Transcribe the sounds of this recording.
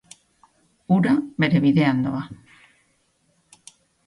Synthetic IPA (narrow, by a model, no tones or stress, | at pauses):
uɾabeɾeβiðeand̪oa